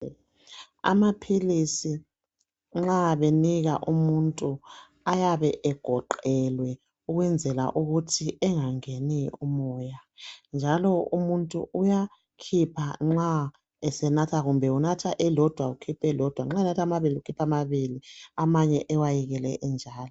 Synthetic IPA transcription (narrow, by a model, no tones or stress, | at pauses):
a̰mapʰilisi | ŋ͡ǁaβeniɣa̰ʔumuntʼu | ajaβɛʔɛɡ̥ʱɔǃɛlwɛ | uɣwɛnd͡zʱɛla̰ʔuɣutʰiɛŋaŋeniumɔːjand͡ʒʱalɔumuntʼṵʔuja | kʰipʰaŋ͡ǁa | ɛsɛnatʰaɣumbʱɛunatʰaʔɛlɔd̥ʱwaukʰipʰɛlɔd̥ʱwaŋ͡ǁaɛnatʰamaβiliukʰipʰamaβiliamaɲɛʔɛwajiɣɛlɛʔɛnd͡ʒʱaːlɔ